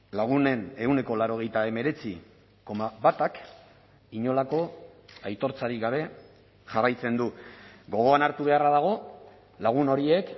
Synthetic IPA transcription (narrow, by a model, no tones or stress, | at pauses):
laɣ̞une̞ne̞uwne̞ko̞laɾo̞ɣ̞e̞jt̪ae̞me̞ɾe̞t͡si | ko̞maβat̪ak | iɲo̞lako̞ajt̪o̞ɾt͡saɾiɡaβe̞ | ʝarajt͡se̞nd̪uɡo̞ɣ̞o̞anaɾt̪uβe̞araðaɣ̞o̞ | laɣ̞uno̞ɾie̞k